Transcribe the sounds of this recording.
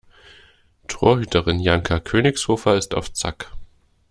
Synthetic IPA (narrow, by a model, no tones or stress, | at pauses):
tʰʁ̥oːɐɦyːtʰəʁɪnjaŋkʰakʰøːnɪçshoːfɐɪsta̰ʊft͡sa̰k